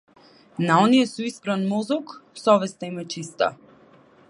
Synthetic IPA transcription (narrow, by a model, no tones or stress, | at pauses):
naɔnijɛsuispɾanmɔzɔksɔvɛst̪aimɛt͡ʃist̪a̰